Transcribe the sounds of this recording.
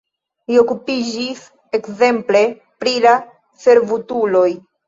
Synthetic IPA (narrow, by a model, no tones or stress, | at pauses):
lio̞kupid͡ʒis | e̞kze̞mple̞ | pɾila | fe̞ɾvutulo̞j